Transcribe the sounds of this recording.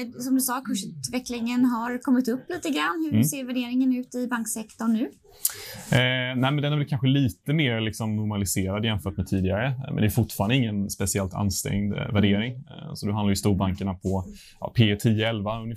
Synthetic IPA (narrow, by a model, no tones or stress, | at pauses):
sɔmd̪ɵsɑːkʰɵʂʉːt̪vɛklɪŋənɦaɾkʰɔmːɪt̪ɵpːliːt̪əɡɾanːhɵ̟seːɾvæɖeːɾɪŋənʉ̟ːt̪ɪbaŋksɛkt̪ɔɳːʉ̟ː | næːɪmɛnd̪ɛnæɾvɛlkʰanɧəliːt̪əmeːɾlɪksɔmnʊɾmalɪseːɾad̪jɛmfœːʈmɛt̪ʰiːd̪ɪɡaɾəmɛ̰nd̪ɛjːɾfʊʈfɑːɾand̪ɪŋːənspɛsɪɛlt̪ʰa̰nːst̪ɛ̰ŋd̪væɖeːɾɪŋsɔd̪ɛand̪ɾjʏst̪uːɾbaŋkəɳapʰɔ | jɑ̰pʰeːt̪ʰiːəɛlvaɵnɪf